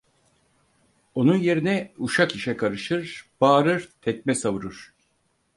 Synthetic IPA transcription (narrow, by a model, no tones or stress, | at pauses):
o̞nunje̞ɾinɛuʃakiʃɛkʰaɾɯʃɯɾb̥aːɾɯɾ̥t̪ʰɛc̚mɛsavɯɾɯɾ̥